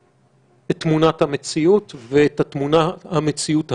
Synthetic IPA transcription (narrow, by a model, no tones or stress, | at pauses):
etːmunathamet͡siutveet̪at̪munahamet͡siuth